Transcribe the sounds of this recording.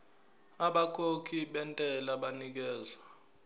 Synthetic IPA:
aɓak̬ʰʼokʰiɓɛntʼɛlaɓanik̬ɛːza

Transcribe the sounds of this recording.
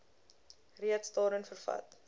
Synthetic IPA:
riətsdɑːɾənfərfɐ̰t

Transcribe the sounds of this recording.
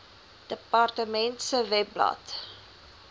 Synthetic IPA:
d̥əpɑrtəmɛntsəvɛplɐ̰t

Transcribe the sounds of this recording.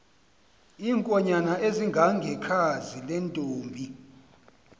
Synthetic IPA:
iːŋkʼɔɲanaʔeziŋɡʱaŋɡʱɛkʰazilɛntʼoːmbʱi

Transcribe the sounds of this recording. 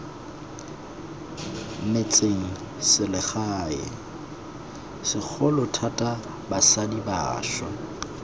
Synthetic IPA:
met͡sʼeŋ̩ | sɪlɪχaːɪ̰ | sɪk͡xʰɔlʊtʰatʼa | basadiba̰ːʃɔ̰

